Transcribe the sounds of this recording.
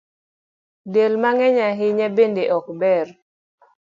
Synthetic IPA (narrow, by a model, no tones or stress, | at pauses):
delmaŋɛɲaɦɪɲabendeʔɔkbɛr